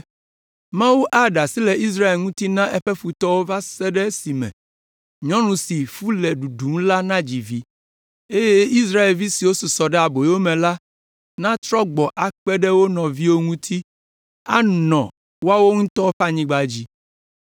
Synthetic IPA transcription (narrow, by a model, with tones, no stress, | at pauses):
mã˦wu˦ʔa˦ɖa˨si˦lɛ˨ʔi˦s̬ɾa˦e˨lŋũ˦t̪i˦nã˦ʔɛ˦ɸɛ˦fu˨t̪ɔ˦wo˦va˦sɛ˦ɖɛ˦si˨mɛ̰̃˨ | ɲɔ̃˦nũ˨si˨fu˦lɛ˨ɖu˨ɖu˨˦m˦la˦nã˦d͡ʑi˨vi˦ | e˦je˦i˦s̬ɾa˦e˨lvi˦si˨wo˦su˨sɔ˨ɖɛ˦a˨bo˨˦wo˦mɛ̃˨la˦ | nã˦t̪ɾɔ˦ɡ͡bɔ˨ʔa˨k͡pɛ˦ɖɛ˦wo˦nɔ̃˨vi˦wo˦ŋũ˦t̪ʰi˦ | a˦nɔ̃˨ | wo˦a˦wo˦ŋũ˦t̪ɔ˦o˦ɸa˦˨ɲĩ˦ɡ͡ba˨d͡ʑi˦